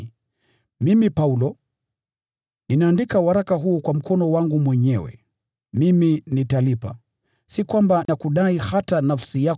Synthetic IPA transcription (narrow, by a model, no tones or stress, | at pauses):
mimipaulɔ | ninaːndikawaɾakaɦuːkwam̩kɔnɔwaŋɡumwɛɲɛwɛ̰ | miminitalipa̰ | sikwambanakuɗaihatanafsija